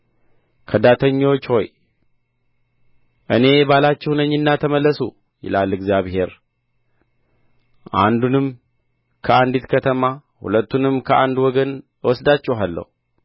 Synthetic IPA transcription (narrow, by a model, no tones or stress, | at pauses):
kʰəd̪at̪ʰəɲːo̞t͡ʃːho̞j | ʔɨne̞balat͡ʃːɛhnəɲːɪnːat̪ʰəməlːəsu | jɪ̰lalɨɡzijaβhe̞ɾ | ʔa̰nd̪unɨm | kʰəand̪it̪kʰət̪ʰəmahṵlət̪ːunɨmkʰəʔand̪wɔɡən | wɔsd̪at͡ʃːɛwɦalːə̰hu